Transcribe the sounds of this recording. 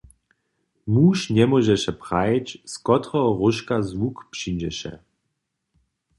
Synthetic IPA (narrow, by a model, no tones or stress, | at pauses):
muːʃnɛmɔʒɛʃɛpʁajt͡ɕskɔt̪ʁɔʁuʃkazwukpʃind͡ʑɛʃɛ̰